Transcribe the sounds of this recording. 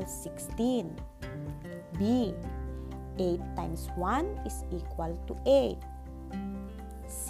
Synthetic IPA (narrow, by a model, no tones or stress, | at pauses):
lsikst̪in | bi | ejt̪ːãjmswanisikwalt̪uejt̪̚ | s